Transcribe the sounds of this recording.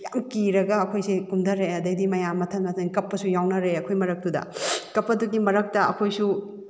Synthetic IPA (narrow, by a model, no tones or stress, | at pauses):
jamkiɾɐɡɐːkʰojsikumdɐɾeɐdɐjdimɐjamɐtʰɐnmɐtʰɐnkɐpːɐsujawnɐɾeɐkʰojmɐɾɐk̚dudɐ̰kɐpːɐduɡimɐɾɐk̚tɐɐkʰojsu